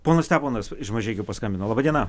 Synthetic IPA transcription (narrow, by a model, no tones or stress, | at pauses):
poːnɐst̪ʲæːpoːnɐsɪʃmɐʒʲɛːkʲɛʊpɐskɐmʲbʲɪnoːlˠɑbɐːd̪ʲiɛnɐ